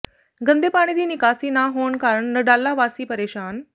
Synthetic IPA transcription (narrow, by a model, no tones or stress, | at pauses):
ɡənd̪eːpaːɽ̃id̪iːnikaːsiːnaɦoːɳkaːɾəɳnəɽaːlːaʋaːsiːpəɾeːʃaːn